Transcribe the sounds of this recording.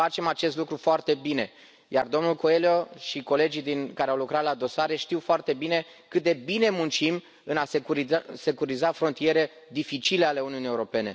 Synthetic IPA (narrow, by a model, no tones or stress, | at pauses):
at͡ʃe̞mat͡ʃe̞st̪lukɾufoart̪e̞bine̞ | ja̰rd̪o̞mnulko̞e̞ljo̞ʃiko̞le̞d͡ʒid̪inkaɾeawlukɾat̪lad̪o̞saɾeʃt̪iwfoart̪e̞bine̞ | kɨt̪̚d̪e̞bine̞munt͡ʃim | ɨnasekuɾise̞kuɾizafɾo̞nt̪ije̞ɾe̞ | d̪ifit͡ʃile̞ale̞uniunijeuɾo̞pe̞ne̞